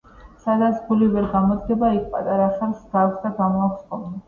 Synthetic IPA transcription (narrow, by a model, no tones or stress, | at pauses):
sad̪at̪sʰɡ̥ulivɛɾɡamɔd̪ɡɛbaik̚ʰpʼat̪ʼaɾaχɛlsɡ̥aksd̪aɡamɔaksχɔmnɛ